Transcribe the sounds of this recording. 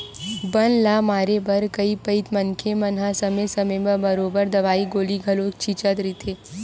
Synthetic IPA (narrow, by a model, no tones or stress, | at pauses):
bɐnlaːmaːɾebɐɾkɐipɐit̪mɐnkʰemɐnɦasɐmesɐmẽbəbɐɾoːbəɾd̪ɐʋaːiɡoːliɡʱɐloːkt͡ʃʰiːt͡ʃət̪ɾit̪ʰeː